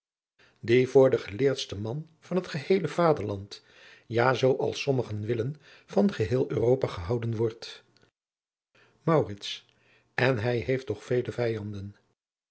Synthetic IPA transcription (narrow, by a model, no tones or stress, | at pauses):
divʊːɹdəχəlɪːɹtstəmɑn | v̥ɑnɦətχəhejləvaːdəɹlɑnt | jaːzowʔɑ̰lˠsɔməχənʋɪlən | v̥ɑnχəɦɪːlˠøːrowpaːχəɦɑwdənʋɔɹt | mɑwrɪts | ɛnɦɛjɦejftɔχfejləvɛjɑndən